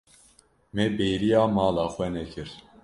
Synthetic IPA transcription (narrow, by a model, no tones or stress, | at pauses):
mɛbejɾijaːmɑːlaːxwɛnɛkʰɨɾ